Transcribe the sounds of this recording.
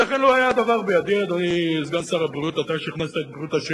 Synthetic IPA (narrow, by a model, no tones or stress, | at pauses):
laχenloajad̪avaʁbejad̪id̪anizɡansaʁabʁiut̪at̪aʃeiχnast̪aet̪̚bʁut̪aʃe